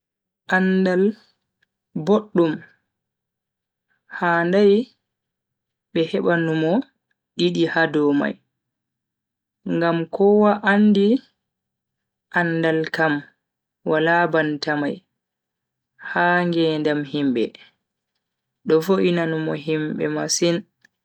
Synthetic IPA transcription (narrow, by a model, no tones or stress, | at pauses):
ʔandal | boɗːum | handaj | ɓɛhɛɓanumɔ | ɗiɗihadɔma̰j | ŋɡamkʰɔwaʔanːdi | ʔanːdalkam | walabantamaj | haːŋɡɛndamhimbɛ̰ | ɗɔfoʔinanumɔɦimbɛ̰masin